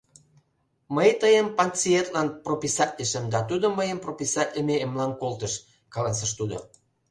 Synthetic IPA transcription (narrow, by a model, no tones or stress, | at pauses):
məjt̪əjəmpɑnt͡siet̪lɑnpropʲisɑtʲlʲəʃəmd̪ɑt̪ud̪oməjəmpropʲisɑtʲlʲəmeemlɑnkolt̪əʃ | kɑlɑs̬əʃt̪ud̪o̰